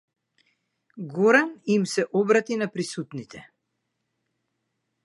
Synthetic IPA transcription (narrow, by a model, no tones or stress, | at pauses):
ɡɔɾanimsɛʔɔbɾat̪inapɾisut̪nit̪ʰɛ